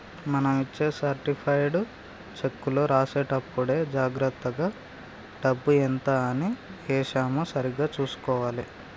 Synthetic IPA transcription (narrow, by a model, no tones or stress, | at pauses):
mɐnɐmit͡ʃːeːsɐɾʈipʰɐjɽ | t͡ʃekːulo̞ːɾaːseːʈɐpːuɽe̞ːd͡ʒaːɡɾɐt̪ːɐɡaː | ɖɐbːuent̪aːniɛːʂaːmɐsɐɾiɡaːt͡ʃuːsu̥kɔːʋaːli